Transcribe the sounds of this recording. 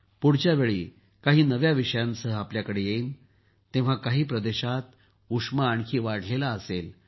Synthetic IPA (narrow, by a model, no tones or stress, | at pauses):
puɽ̤t͡ɕjaʋeɭḭː | kaɦiːnəʋjaʋiʂəjãnsəɦəapljakəɽejeiːn | t̪ẽʋ̤akaɦiːpɾəd̪eɕat̪ | uʂmaːɳkʰiːʋaɽlelaəsel